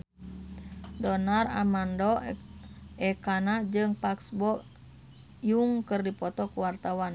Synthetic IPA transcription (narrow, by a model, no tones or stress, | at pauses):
dɔnara̰mandɔ | ɛkanad͡ʒɨŋpaksbɔ | juŋkɨrdipɔt̪ɔkuwart̪awan